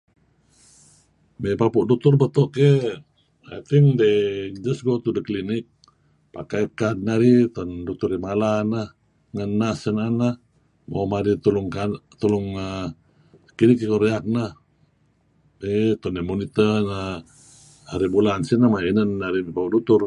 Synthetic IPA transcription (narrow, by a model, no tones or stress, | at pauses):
mepapuʔdut̪urbət̪ɔʔke | a̰t̪iŋded͡ʒəsɡot̪udəklinik̚ | pakajkat̪̚naɾit̪ɔndut̪uɾimalanah | ŋənːasənana | mo̰maɾit̪uluŋkat̪uluŋə | kinikikoɾeak̚nah | et̪ɔndemunit̪əna | aɾibulansinamainənːaɾimepapuʔdut̪ur